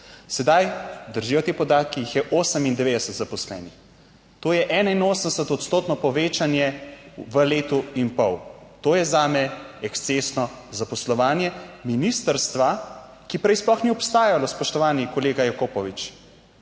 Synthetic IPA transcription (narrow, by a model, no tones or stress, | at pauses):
sɛd̪ajd̪əɾʒijɔt̪eːpɔd̪aːt̪̚kijixjɛʔoːsəmind̪ɛʋeːd̪ɛsət̪zapɔslɛ̰ːnix | t̪oːjɛʔɛːnainoːsənd̪ɛsət̪ɔt̪st̪oːt̪nɔpɔʋeːt͡ʃanjɛʋəleːt̪uinpɔwt̪oːjɛzaːmɛɛkst̪sesnɔ | zapɔslɔʋaːnjɛminist̪əɾst̪ʋa | kipɾɛjsplɔxniɔpst̪aːjalɔspɔʃt̪ɔʋaːnikɔleːɡajakoːpɔʋit͡ʃ